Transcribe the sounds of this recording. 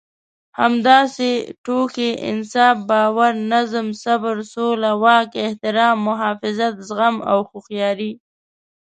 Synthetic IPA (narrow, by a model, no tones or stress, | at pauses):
hamd̪ɑseʈokeʔɪ̰nsɑːfbɑwaɾnazmsabəɾsolawɑːkɪht̪ɪɾɑmːʊɦɑfɪzat̪zɣama̰wxuxjɑːɾi